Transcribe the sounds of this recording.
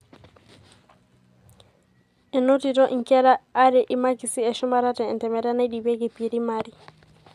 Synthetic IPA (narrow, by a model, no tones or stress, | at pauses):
ɛnotitɔʔiŋkɛɾaːɾɛʔimakisiɛʃumaɾatɛɛntɛmɛɾanaɗibeɡɛpiɾimaɾi